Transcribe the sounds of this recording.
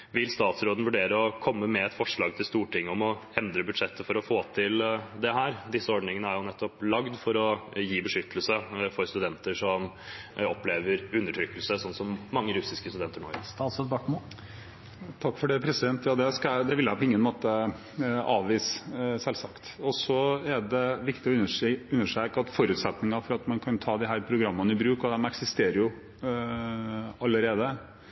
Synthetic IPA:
ʋɪlst̪ɑːt̪sɾoːd̪n̩ʋʉɖeːɾəɔkʰɔmːəmɛɛt̪fɔʂɭɑːɡ̚t̪ʰɪlst̪uːʈʰɪŋːəɔmɔɛnd̪ɾəbʉd̪ʂɛt̪ʰːəfɔɾɔfoːt̪ʰɪld̪ɛɦæːɾd̪ɪsːəɔɖɳɪŋənəæɾjʊnɛt̪ːɔplɑɡd̪fɔɾɔjiːbəʂʏt̪ʰːəlsəfɔɾst̪ʉd̪ɛnt̪əʂɔm | ɔpːleːʋəɾʉnːəʈʰɾʏkːəlsəsɔnːsɔmːɑŋːəɾʉsɪskəst̪ʉd̪ɛnt̪əɳo̰ːst̪ɑːt̪soːd̪bɑʈmo | t̪ʰɑkːfɔɖeːpʰɾɛsɪd̪ɛnt̪jɑːd̪ɛskɑd̪ɛʋɪljæpʰɔɪŋːənmoːt̪ə | ɑːʋʋiːssɛlsɑkt̪ɔsɔɛɖɛʋɪkt̪ɪɔʉnːəʂøːkɑt̪fɔɾʉːt̪sɛt̪nɪŋɑfɔɾɑt̪mɑnkʰɑnt̪ʰɑːd̪ɪɦæːɾpʰɾʊɡɾɑmːənəɪbɾʉːkɔd̪ɛmɛksɪst̪eːɾəɾjʊ | ɑlːəɾeːd̪ə

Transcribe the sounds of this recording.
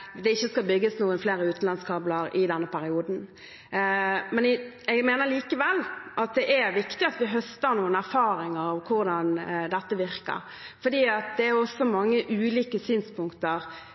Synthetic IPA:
d̪ɛɪçːəskɑlbʏɡːəsnuːənfleːɾəʉːt̪n̩lɑnskʰɑːbləɾɪd̪ɛnːəpʰæɾɪuːd̪n̩ | mɛn | ɛɡmeːnəʁliːkəʋɛlːʔɑt̪̚d̪ɛʔæɾʋɪkt̪ɪɑt̪ʋɪɦœst̪əɾnuːənæɾfɑːɾɪŋəɾɑʋkʰʊɾd̪ɑnd̪ɛt̪ːəʋɪɾkə̰ɾ | fɔd̪iːɑt̪̚d̪ɛæɾjʊɔsːɔmɑŋːəʔʉːliːkəsyːnspʊŋkt̪əʁ

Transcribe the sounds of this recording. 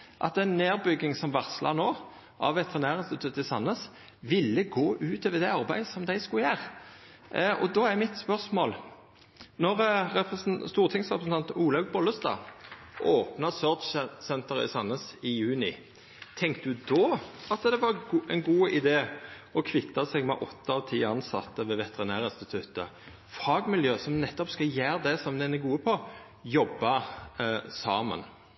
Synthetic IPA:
ʔɑ̰t̪ɛɪnːeːʁbʏɡːɪŋsɔmʋæʁsəlʔɑnoː | ʔɑ̰ʋʋɛt̪ʰəʁnæːʁɪnst̪ɪt̪ʰʉt̪ːɪsɑ̰nːəs | ʋɪlːəɡoːʔʉːt̪oʋəd̪ɛɑʁbæɪəsɔmd̪æɪskʉljæːʁ | ɔ̰d̪oːæʁmɪt̪spœʁsmo̰ːl | nɔʁɾɛst̪uːʁt̪ʰɪŋsʁɛpɾsn̩ɑnt̪uːlɑɡbɔləst̪ɑ̰ː | ʔoːpnɑsøːʁd̪t͡ʃsɛnt̪əʁɾɪ̰sɑnːəsɪjʉːnɪ | t̪ʰɛŋkt̪əd̪ʉd̪ɔːɑt̪d̪ɛʋɑʁɛnɡuːɪd̪eː | ɔkʰʋɪt̪ːɑsɛɡmɛ̰ʔɔt̪ːəɑʋt̪ʰiːɑnsɑ̰t̪ːəʋɛːʋɛt̪ɛʁɪnæːʁəɪnst̪ɪt̪ʰʉt̪ə̰ | fɑːɡmɪljøːsɔmnɛt̪ːɔpskɑjæːʁd̪ɛsɔmd̪ɛnəɡuːəpʰɔ | jɔbːɑ | sɑːmə̰n

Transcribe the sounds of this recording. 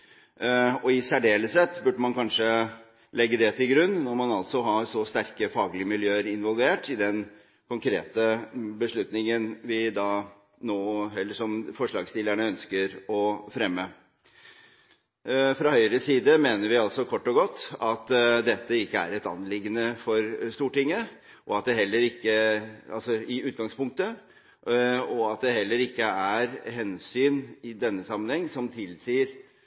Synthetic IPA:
ɔɪsæɖeːləsɛt̪ːbʉɖəmɑnkʰɑnʂə | lɛɡːəd̪ɛt̪ʰɪlɡɾʉnːnɔɾmɑnɑlt̪sɔɦɑːsɔst̪æɾkəfɑːɡlɪəmɪljøːəɾɪnʋɔlʋeːʈɪd̪ɛn | kʰʊŋkʰɾḛːt̪əbəʂɭʉt̪nɪŋənʋɪd̪ɑː | noːɛlːəʂɔmfɔʂɭɑːɡst̪ɪlæɳəœnskəɾɔfɾɛmːə | fɾɑhœʏɾəsiːd̪əmeːnəɾʋɪɑlsɔkʰɔʈːɔɡɔt̪ːɑt̪d̪ɛt̪ːəɪkːəæ̰ɾɛt̪ɑ̰nːlɪɡːənəfɔɾst̪uːʈɪŋːə | ʔɔɑt̪̚d̪ɛɦɛlːəɾɪkːəɑ̰lsɔɪʉːt̪ɡɑŋspʊŋk̚t̪ə | ɔɑt̪̚d̪ɛɦɛlːəɾɪkːəæɾɦɛnsyːnɪd̪ɛnːəsɑmːənhɛŋːsɔmt̪ʰɪlsiːɾ

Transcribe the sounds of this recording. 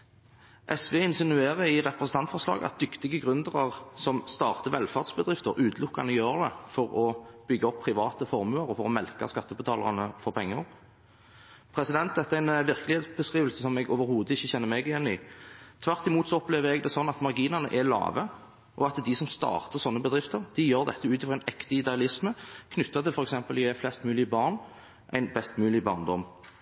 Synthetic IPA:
ʔɛsʋeːɪnsɪnʉeːʁəɪʁɛpʁəsən̩t̪ʰɑnt̪fɔʁʂlɑ̰ːɡəɑ̰t̪̚d̪ʏkt̪ɪɡəɡʁʉnd̪əʁɑʁsɔmst̪ɑːʁt̪əʋɛlfɑʁd̪sbəd̪ʁɪft̪əɾʔʉːt̪ʰlʊkːa̰nəjøːʁənəfɔɾɔb̥ʏɡːəɔpʰːʁɪʋɑːt̪əfɔʁmʉːɑʁɔfɔʁɔmɛlkɑ̰skɑt̪ːəbət̪ʰɑːlɑ̰ʁnəfɔɾpʰɛŋːəʁ | pʰɾɛsɪd̪ɛnt̪̚d̪ɛt̪ːəæɪnʋɪʁkəlɪheːt̪sbəskɾiːʋəlsəsɔmɛɡoːʋəɾhuːd̪əɪçːəçɛnːəʁmɛɡɪjɛnːɪt̪ʰʋæɾt̪ɪmuːt̪sɔɔpleːʋəɾɛɡd̪ɛsɔnːɑt̪mɑʁɡiːnɑʁnə̰ʔælɑ̰ːʋə | ʔɔɑt̪d̪ɪsɔmst̪ɑ̰ːʁt̪əʁsɔnːəbəd̪ʁɪft̪əɾd̪̥ɪjøːɾd̪ɛ̰t̪ːəʉːt̪ɪfʁɔæɪnɛkt̪əɪd̪ɛɑlɪsməkʰnʏt̪ːɑt̪ʰɪlfɔɾɛksɛmpəlɛflɛst̪mʉːlɪəbɑʁn | ʔæ̰ɪnbɛst̪mʉːlɪbɑʁnd̪ɔm

